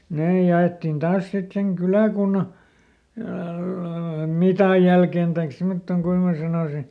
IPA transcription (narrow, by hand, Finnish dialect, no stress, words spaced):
neː jɑetːin tɑːs sit seŋ kylæˑkunːɑ mitɑˑj jælken tɑik simotːoŋ kuin mæː sɑnoˑsi